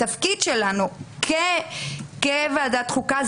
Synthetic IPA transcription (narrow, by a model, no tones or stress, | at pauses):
afkid̪ʃelanukʰe | kevaːdat̪χukaz